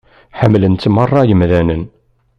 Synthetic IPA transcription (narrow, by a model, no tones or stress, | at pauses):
ħəmːlənt̪mərˤːɑjəmðænən